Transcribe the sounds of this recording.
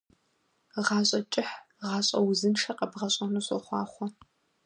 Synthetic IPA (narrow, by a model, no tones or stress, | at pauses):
ʁɑːɕʼɐt͡ʃʼɪħ | ʁɑːɕʼɐwzɨnʂɐqɐbʁɐɕʼɐnuɕʷʼɔ̰χʷɑːχʷɔ